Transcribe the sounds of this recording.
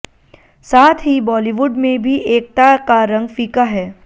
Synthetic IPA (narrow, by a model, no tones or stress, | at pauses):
saːt̪ʰɦibɔːliʋʊɖmẽbʱiʔeːk̚t̪akaɾɐ̃ŋɡfiːkaɦɛː